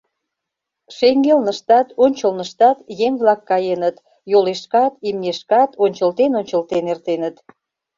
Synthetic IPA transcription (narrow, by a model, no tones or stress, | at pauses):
ʃeŋɡelnəʃt̪ɑt̪onʲt͡ɕəlnəʃt̪ɑt̪jeŋβlɑkːɑjenət̪ | joleʃkɑt̪imneʃkɑt̪ʰonʲt͡ɕəlt̪enonʲt͡ɕəlt̪enert̪enət̪